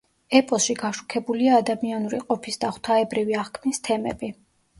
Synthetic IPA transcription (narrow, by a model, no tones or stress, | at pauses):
ɛpʼɔsʃiɡaʃu̥kʰɛbuliaːd̪amianuɾḭqʼɔpʰisd̪aχwt̪ʰaɛbɾiviaχkʰmnist̪ʰɛmɛ̰bi